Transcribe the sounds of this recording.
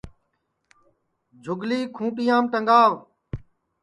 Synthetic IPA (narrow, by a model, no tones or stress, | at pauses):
d͡ʒʱʊɡliːkʰũːʈijãːmʈ̪əŋɡaːʋ